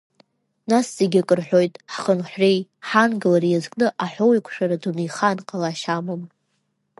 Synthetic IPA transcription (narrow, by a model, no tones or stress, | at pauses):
nasz̥eɡʲakʼɨrħʷᶣo̞jtʼħχənħʷrejħanɡɨlaɾijazkʼnɨʔaħʷᶣowikʷʰʼʂᶣaɾadunijχanqʼalaʃamom